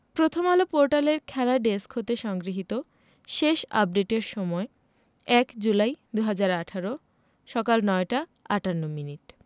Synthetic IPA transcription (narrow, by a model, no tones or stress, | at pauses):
pɾot̪ʰomalopoɾʈaleɾkʰɛlaɖeskɦot̪eʃɔŋɡɾiɦit̪o | ʃeʃa̰p̚ɖeʈeɾʃɔmɔe | ɛkd͡ʑulajd̪uɦad͡ʑaɾaʈʰaɾo | ʃɔkalnɔeʈaaʈanːominiʈ